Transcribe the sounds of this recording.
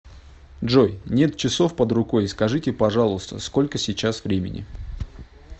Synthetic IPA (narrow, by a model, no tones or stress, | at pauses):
dʐo̞jnʲe̞t̪̚t͡ɕɪso̞fpəd̪rʊko̞jskɐʐɨtʲɪpɐʐɑlˠʊst̪ə̰sko̞lʲkəsʲɪt͡ɕasvɾʲemʲɪ̰nʲɪ̰